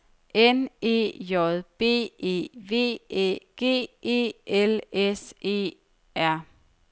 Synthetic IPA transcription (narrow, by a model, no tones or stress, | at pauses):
ʔene̝̰ːjɒðˠb̥e̝̰ːe̝̰ʋe̝̰ːḛːɡ̥e̝̰ːe̝̰ːʔelese̝̰ː | æɐ̰